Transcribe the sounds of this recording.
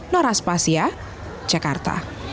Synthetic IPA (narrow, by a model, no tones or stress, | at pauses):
nɔɾaspasia | d̥ʒ̥akart̪a̰